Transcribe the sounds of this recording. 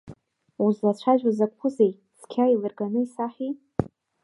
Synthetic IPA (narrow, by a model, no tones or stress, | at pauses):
uzlat͡ɕʷʰaʒᶣazakʷpʰʊzej | skʲʰailɨrɡanɨisaħʲi